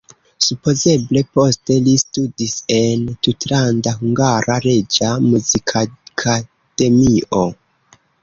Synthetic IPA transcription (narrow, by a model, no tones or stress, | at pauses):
supo̞ze̞ble̞po̞ste̞listudise̞ntutlandaɦuŋɡaɾaɾe̞d͡ʒamuzikʰakʰa | d̥e̞miʔo